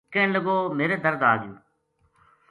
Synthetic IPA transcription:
kẽːnləɡoːmeːɾeːd̪əɾd̪aːɡɪjṵ̃ː

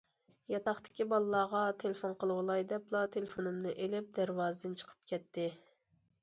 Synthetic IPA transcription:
jɑt̪ɑχt̪ɪ̥kʲibɑlˠːɑːʁɑt̪ʰelefonqəlˠɨwlˠɑjd̪ɛplˠɑt̪ʰelfonɨmnɨʔelɪp̚d̪æɾwɑːzɨd̪ɨnt͡ʃʰə̥qʰə̥p̚kʲʰɛt̪ːɪ

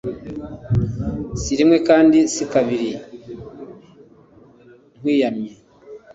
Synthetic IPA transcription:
siɾimwe̞kaːndisikaβiɾi | ŋwiːjamɲe

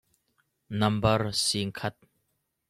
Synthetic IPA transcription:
nɐmbɐrsiŋkʰɐt̪̚

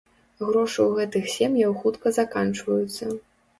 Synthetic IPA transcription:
ɣɾɔʂɨwɣɛt̪ɨxsʲemjɐwxut̪kɐzakant͡ʂvɐjut̪sːɐ

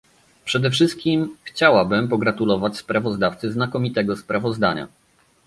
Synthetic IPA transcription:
pʂɛd̪ɛfʂɘst̪̚kʲimxt͡ɕawabɘmpɔɡɾat̪ulɔvat͡ɕspɾavɔzd̪aft̪sɘznakɔmʲit̪ɛɡɔspɾavɔzd̪a̰ɲa̰

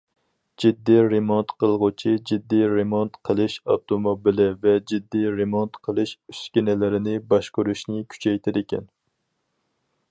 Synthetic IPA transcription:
d͡ʒid̪ːijɾemont̪qəlˠʁʊt͡ʃʰid͡ʒid̪ːijɾemont̪qʰəlˠɨʃɑ̰wt̪ʰomobilˠɪvɛd͡ʒid̪ːijɾemont̪qʰəlˠɨʃy̥skʲinɪlɪɾɪnɪbɑʃqʊɾuʃnɪkʲʰy̥t͡ʃʰɛjt̪ʰɪd̪ɪkʲɛ̰n

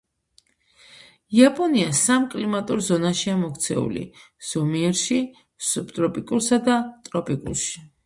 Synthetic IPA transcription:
iapʼɔniasamkʼlimat̪ʼuɾzɔnaʃiamɔkʰt̪sʰɛ̰ṵlḭ | z̥ɔmiɛɾʃi | supt̪ʼɾɔpʼikʼuɾsad̪at̪ʼɾɔpʼikʼṵlʃi̥

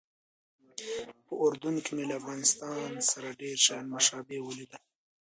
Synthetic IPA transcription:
pəʊɾd̪unkimelaafɣɑnɪst̪ɑnsaɾaɖeɾʃajɑnmaʃɑbewulid̪a

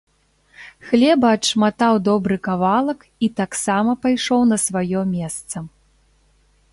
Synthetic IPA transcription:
xlʲɛbɐːʂmat̪awd̪ɔbɾɨkavalˠɐk | it̪aksamɐpajʂɔwnɐsvajɔmʲɛst̪sɐ

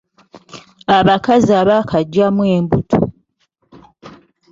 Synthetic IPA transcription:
aβakaziaβakʰaɟːamwe̞ːmbutʰo̰

